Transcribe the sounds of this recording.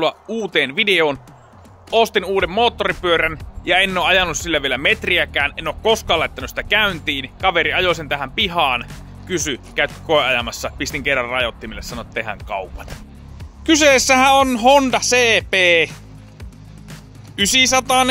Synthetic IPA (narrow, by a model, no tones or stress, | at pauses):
luɑʔuːt̪eːnʋideoːn | ost̪inuːdemmoːt̪ːoripyøɾænjɑenːoːʔɑjɑnːussilːæʋielæmet̪riækæːnenːˑoˑːkkoskɑːlːɑet̪ːænysit̪ækæynt̪iːnkɑʋeɾiɑjosent̪æhæmpihɑːn | kysykæyt̪ːkoˑeɑjɑmɑsːɑpist̪iŋkerːɑrrɑjot̪ːimilːesɑnot̪tːehæ̰ŋkɑupɑn | kyseˑsːæhæonhond̪ɑseːpeː | ʔysisɑt̪ɑn